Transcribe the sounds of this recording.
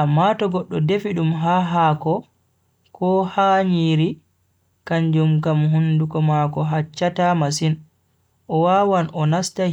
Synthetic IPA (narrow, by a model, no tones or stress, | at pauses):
ʔamːatɔɡɔɗːɔdefiɗumɦaːɦaːkɔ | kɔhaɲiɾi | kaɲd͡ʒumkamɦundukɔmakɔɦat͡ʃːatamas̬in | ʔɔwawanʔɔnasta